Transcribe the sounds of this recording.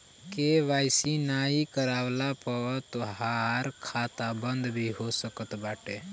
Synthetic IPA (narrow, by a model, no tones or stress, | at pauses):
keʋaːɪsinaikəɾaːwlapət̪oɦaɾkʰaːt̪abə̃nd̪bʱiɦosəkət̪baːʈe